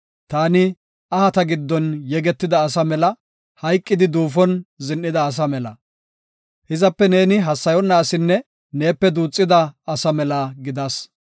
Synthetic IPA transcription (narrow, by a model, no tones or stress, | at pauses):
t̪aːnɪ | ɐhɐt̪ɐɡɪd̪ːɔnjɛɡɛt̪ːɪd̪ɐːs̬ɐmɛlɐ | hɐjkʼːɪd̪ɪd̪uːfɔnzɪnʔɪd̪ɐːs̬ɐmɛlɐ̰ | hɪzɐpːɛne̞ːnɪɦɐsːɐjɔnːɐːsɪnːɛ | neːpːɛd̪uːt͡sʼːɪd̪ɐɐsɐmɛlɐɡɪd̪ɐs